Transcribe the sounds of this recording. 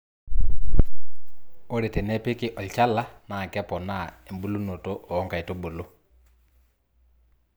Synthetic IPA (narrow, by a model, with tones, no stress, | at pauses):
o˦ɾe˨te˨nɛ˦pɪ˦kɪ˨ʔɔ˨lt͡ʃa˦la˦ | na˨kɛ˦pɔ˨na˦˨e˨mbu˦lu˦no˨to˦ʔɔː˨˦ŋka˨i˨to˦bo˨lo˦